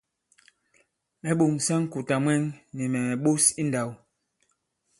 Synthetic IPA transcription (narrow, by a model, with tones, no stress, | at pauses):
mɛ˨ɓo˨ŋsa˦ŋ˦ku˨ta˨mwɛ˦ŋni˨mɛ˨ɛ˨ɓo˦si˦n˨da˨w